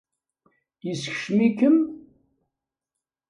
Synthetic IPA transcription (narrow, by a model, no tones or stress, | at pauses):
jəsç̥ʃmikəm